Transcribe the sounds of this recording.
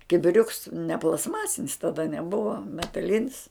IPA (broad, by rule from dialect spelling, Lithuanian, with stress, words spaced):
kʲɪbʲɪˈrʲʊks nʲɛ plˠɐstˈmɑːsʲɪnʲɪs tɐdɐ nʲɛˈbʊʋɐ mʲɛtɐˈlʲɪnʲɪs